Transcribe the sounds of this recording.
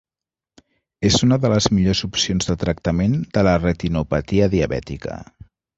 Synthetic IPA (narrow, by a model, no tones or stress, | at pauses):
ezunəðələzmiʎozupsionzðət̪ɾək̚t̪əmend̪̥ələrət̪inupət̪iəðiəβɛ̰t̪ikə̰